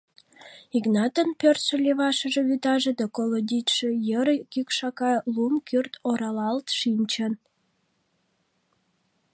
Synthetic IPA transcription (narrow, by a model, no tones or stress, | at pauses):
iɡnɑt̪ənpørt̪ʃĕlʲeβɑʃəʒe̽βyt̪ɑʒed̪ɑkolod̪ʲit̪ʃejəɾkykʃɑkɑlumkʰyrt̪oɾɑlɑlt̪ʃinʲt͡ɕən